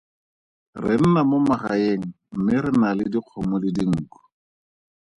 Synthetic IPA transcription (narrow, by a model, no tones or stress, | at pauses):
rɪn̩namʊmaχaeŋ̩m̩mɪɾɪnalɪdiq͡χʰɔmʊlɪdiŋ̩ːkɔ̥